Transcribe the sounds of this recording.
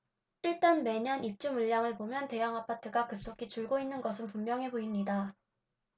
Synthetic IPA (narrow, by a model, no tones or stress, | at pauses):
iɭt͈anme̞ɲʌnip̚t͡ɕ͈umuʎːaŋɯɭpomjʌnte̞jaŋapʰatʰɯɡakɯp̚s͈okʰit͡ɕuɭɡoinːɯnɡʌsʰɯnpummjʌŋɦe̞boimɲida